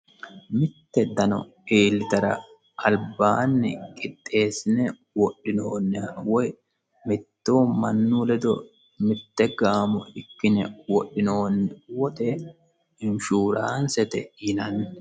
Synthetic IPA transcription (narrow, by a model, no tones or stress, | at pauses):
mɪt̪ːɛd̪ɐnɔ̰ | eːlːɪt̪ɐɾɐ̰ | ʔɐlbaːnːɪ̰kʼɪt̪ʼːe̞ːsɪnɛ | wɔɗːɪnoːnːɛwɔj | mɪt̪ːoːmɐnːuːlɛd̪ɔ | mɪt̪ːɛɡaːmɔɪkːɪnɛwɔɗːɪnoːnːɛwɔt̪e | ɪnʃuːɾaːnsɛt̪ɛ̰jɪnɐnːɛ